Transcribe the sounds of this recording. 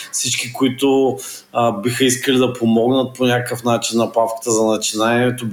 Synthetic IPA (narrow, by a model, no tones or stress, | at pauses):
fsit͡ʃkikoit̪ʊ | bixəiskəlid̪ɐpomɔɡnət̪̚ponʲakəfnat͡ʃinːɐpafkə̥t̪əzɐnɐt͡ʃinaɛniɛt̪o